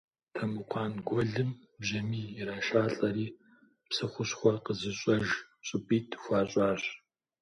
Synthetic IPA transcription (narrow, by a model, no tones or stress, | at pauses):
tʰɐmɨqʷʰɑːnɡʷɔɮɨm | bʒɐmiːiɾaːʃaːɬʼɐɾiː | psɨχʷʊɕχʷɔqəzɨɕʼɐʒɕʼɪpʼiːtʰxʷaːɕʼɑːɕ